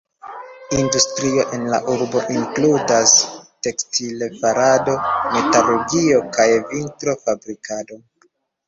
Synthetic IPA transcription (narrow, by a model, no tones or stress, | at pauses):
industɾio̞ʔe̞nla̰ʔuɾbo̞ʔiŋkludaste̞kstilefaɾado̞me̞taluɡio̞kajvintɾo̞fabɾikado̞